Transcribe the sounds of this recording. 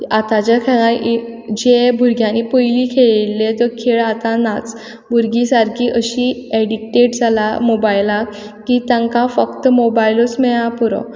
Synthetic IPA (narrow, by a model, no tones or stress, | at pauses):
at̪at͡ɕjakʰənãʔid͡ʑebʱuɾɡʱjãnipəjlikʰeɭlːet̪ɔkʰeɭat̪ãnat͡s | bʱuɾɡisaɾkʰiːʔəɕieɽik̚ʈeʈd͡zʱalamobajla | kit̪jãŋkãfəkt̪mobajlosmeɭãpuɾɔ̰̃